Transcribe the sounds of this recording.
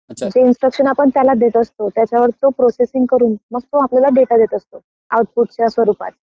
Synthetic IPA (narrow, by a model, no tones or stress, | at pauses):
məɳd͡ʑeinsʈɾəkʂənapəɳt̪jalad̪et̪əst̪ot̪jat͡ɕjaʋəɾt̪opɾosesiŋɡkəɾuːnməɡ̚t̪oapljalaɖeʈad̪et̪əst̪o | awʈ̚puʈ̚t͡ɕjasʋəɾuːpa̰t͡s̪